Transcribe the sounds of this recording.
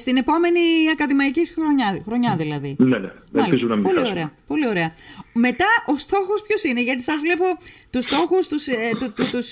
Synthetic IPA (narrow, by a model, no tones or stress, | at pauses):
st̪ine̞po̞me̞niɐkɐðimɐicixɾoɲɐxɾo̞ɲɐðilɐðinenḛ | ḛpizunɐmipolioɾeɐpo̞lio̞ɾe̞ɐme̞t̪ɐʔo̞st̪o̞xo̞spço̞sine̞ʝɐt̪isɐzvle̞po̞t̪ust̪o̞xust̪ust̪ut̪ut̪us